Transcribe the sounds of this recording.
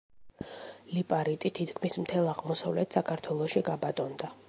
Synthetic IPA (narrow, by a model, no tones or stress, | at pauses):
lipʼaɾit̪ʼit̪ʰit̪kʰmismt̪ʰɛlˠaʁmɔsavlɛt̪ʰsakʰaɾt̪ʰwɛlˠɔʃiɡabat̪ʼɔnd̪a